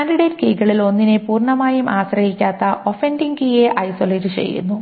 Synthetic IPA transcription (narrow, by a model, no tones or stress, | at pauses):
aːnɖiɽeːtkejkːɐɭilo̞nːinepuːrɳɐmaːjumʔaːɕrɐhikʲːaːt̪ːɐʔo̞fendiŋɡijeʔɐjsoleːɾit͡ɕḛjːṵnːu